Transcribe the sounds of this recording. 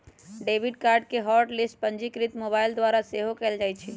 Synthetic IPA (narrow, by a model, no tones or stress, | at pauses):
ɖebʱiɖkaɾɖ̚keɦɔɾʈlisʈ̚pənd͡ʒikɾit̪mobaild̪waɾaseɦokɛld͡ʒajt͡ʃʰɛ